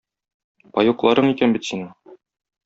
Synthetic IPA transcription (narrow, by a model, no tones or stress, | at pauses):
pɒjuqlˠɑɾɤɴikænbit̪sinɤ